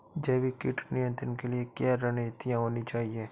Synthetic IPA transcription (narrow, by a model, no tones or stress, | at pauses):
d͡ʒɛːbikɪʈnɪjə̃nt̪ɾənkeliekjaɾɛnet̪ɪjãɦoːnit͡ʃaːɦieː